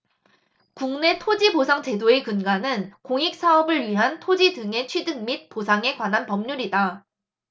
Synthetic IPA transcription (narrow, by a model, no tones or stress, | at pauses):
kuŋne̞tʰod͡ʑibosʰaŋt͡ɕe̞doe̞kɯnɡanɯnkoŋik̚s͈ʰaʌbɯɭɥiɦantʰod͡ʑidɯŋe̞t͡ɕʰwɥidɯŋmit̚posʰaŋe̞ɡwanɦanpʌmɲuɾida